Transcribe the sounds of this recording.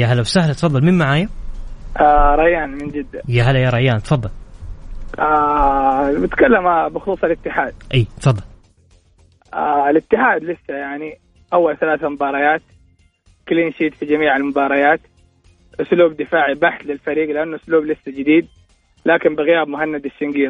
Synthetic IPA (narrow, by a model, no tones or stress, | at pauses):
jaɦalːawsahlat̪fɑðˤːɑlmɪnmaʕaːjaʔaɾˤɑjːaːnmɪnd͡ʒɪd̪ːajaɦalːajaːɾˤɑjːaːnt̪fɑðˤːɑl | a | mɪt̪kalːamabɪxluːsˤalɪt̪ːɪħaːd̪̚ʔiːt̪fɑd̪ˤːɑl | ʔalɪt̪ːɪħaːd̪lɪsːajaʕni | ʔawːalθalaːθamʊbɑːɾˤɑjaːt̪ | kliːnʃiːt̪fid͡ʒamiːʕalmʊbɑːɾˤɑjaːt̪ | ʔʊsluːb̚d̪ɪfaːʕibaħθlɪlfaɾiːɡlɪʔanːʊʔʊsluːblɪsːad͡ʒɪd̪iːd̪̚ | laːkɪmbɪɣɪjaːbmʊɦanːad̪ɪʃːɪŋɡiː